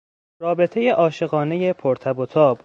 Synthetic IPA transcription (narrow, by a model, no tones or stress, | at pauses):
ɾɒːbe̞t̪ʰe̞je̞ʔɒːʃe̞ɣɒːne̞je̞pʰoɾt̪ʰæbot̪ʰɒːb̥